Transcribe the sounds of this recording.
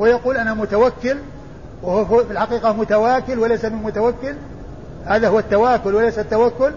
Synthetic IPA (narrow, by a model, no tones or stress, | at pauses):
wɪjaquːlʔanamʊt̪awakːɪl | wɪhʊfɪlħaqiːqɑmʊt̪awaːkɪlwalajsamɪnmʊt̪awakːɪl | haːðahʊwat̪ːawaːkʊlwalajsat̪ːawakːʊl